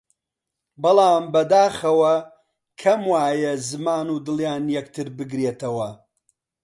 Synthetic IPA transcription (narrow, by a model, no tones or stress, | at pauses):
bɨlˠaːmbɐd̪aːxɐwɐ | kʰɐmwaːjɐzɨmaːnuːd̪ɨlˠjaːnjɐk̚t̪ʰɨɾbɨɡɾeːt̪ɐwɐ